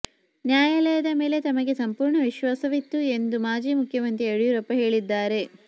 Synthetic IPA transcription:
njaːjɐlɛjɐd̪ɐme̞ːle̞t̪ɐmɐɡe̞sɐmpuːɾɳɐʋiʃʋaːsɐʋit̪ːue̞nd̪umaːd͡ʒiːmukʰjɐmɐnt̪ɾieɽijuɾɐpːɐɦe̞ːɭid̪ːaːɾe̞

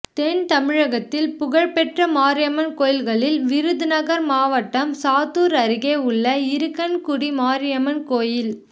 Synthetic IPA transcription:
t̪eːnt̪ɐmɪɻɐɣɐt̪ːɪlpʊɣɐɻpɛʈrɐmaːɾɪjɐmɐnkoːjɪlɣɐɭɪlʋɪɾɯðɯnɐɣɐɾmaːʋɐʈːɐmsaːt̪uːɾɐɾɪɣeːʊɭːɐɪɾɯkːɐnkʊɽimaːɾɪjɐmɐnkoːjɪl

